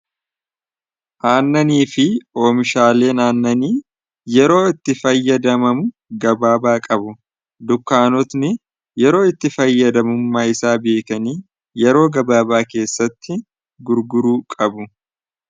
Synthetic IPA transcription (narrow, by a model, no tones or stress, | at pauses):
ʔaːnːɐniːfɪo̞ːmɪʃaːle̞ːnaːnːɐniː | jɛɾo̞ːɪt̪ːɪfɐjːɐd̪ɐmɐmʊ | ɡɐbaːbaːkʼɐbʊ | d̪ʊkːaːnɔt̪nɪ | jɛɾo̞ːɪt̪ːɪfɐjːɐd̪ɐmʊmːaːɪsaːbe̞ːkɐniː | jɛɾo̞ːɡɐbaːbaːke̞ːsːɐt̪ːɪ | ɡʊɾɡʊɾuːkʼɐbʊ